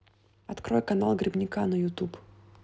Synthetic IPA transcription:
ɐt̪kɾojkɐnalˠɡɾʲɪbnʲɪkanəjʊt̪up

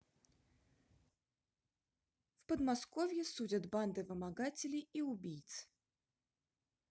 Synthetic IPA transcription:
fpəd̪maskɔvʲjɛsud͡zʲɐt̪band̪ɨvɨmaɡat͡sʲɪlʲiiubʲijt̪sɨ̥

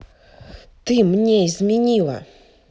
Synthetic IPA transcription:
t̪ɨmnʲɛizʲmʲinʲiːla̰

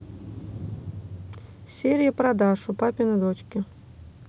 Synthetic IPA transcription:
sʲeɾʲɪjəpɾɐd̪aʂʊpapʲɪnəd̪ot͡ɕkʲɪ

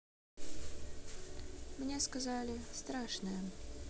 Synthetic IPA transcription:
mnʲeskɐzalʲɪst̪ɾaʂnəjə

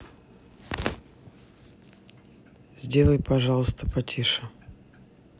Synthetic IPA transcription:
z̥ʲdʲelˠəjpɐʐɑlˠəst̪əpɐtʲʰiʂə

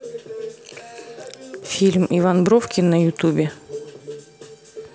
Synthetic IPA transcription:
fʲilʲmivanbɾofkʲɪnːəjʊt̪ubʲɪ

